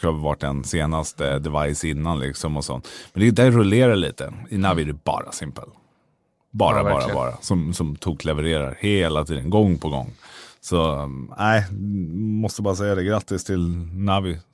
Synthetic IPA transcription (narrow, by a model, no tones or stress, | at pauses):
hɑːvɪvaʈ̚ːdɛnseːnast̪əd̪ɛvajsɪnːanlɪ̰ksɔmɔsɔ̰nt̪ːmɛnd̪ɛd̪æɾʊleːɾaɭḭːt̪ə̰ɪnavɪd̪ɛbɑ̰ːɾa̰sɪmpə̰l | bɑ̰ːɾa̰ɑːɾa̰bɑ̰ːɾa̰sɔmsɔmt̪ʰuːɡʰlɛvɛɾeːɾa̰ɾheːlat̪ʰiːd̪ənɡɔŋːpʰɔɡɔ̰ŋːsɔæɪ | mɔst̪əbɑːɾas̬ɛjːad̪ɛɡɾat̪ːɪst̪ʰɪlnavɪ